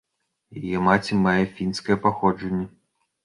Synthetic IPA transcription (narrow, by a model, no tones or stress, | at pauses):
jajɛmat͡sʲimajɛfʲinskɐjɛpaxɔd͡ʐɐnʲːɛ